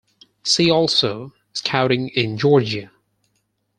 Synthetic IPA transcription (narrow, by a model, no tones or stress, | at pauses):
siɔlˠsoʊ | ɪz̥kʰãʊ̃ɾɪ̃ŋɪ̃nd͡ʒɔɹd͡ʒɨ